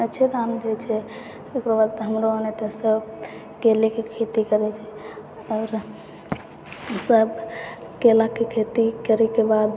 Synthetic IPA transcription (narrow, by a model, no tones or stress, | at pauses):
ətːt͡ʃʰet̪aɦəmd̪ʱet͡ʃʰɛ | ekɾobaɾt̪ɦəmɾoənet̪əsəb | kelekekʰet̪ikəɾɛt͡ʃʰɛ | ɔːɾ | səbkelakekʰet̪ikəɾɛkebad̪